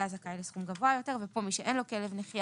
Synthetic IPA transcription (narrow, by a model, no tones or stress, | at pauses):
azakaelesχumɡavoajo̞te̞ʁvepo̞miʃeʔenlokelevneχja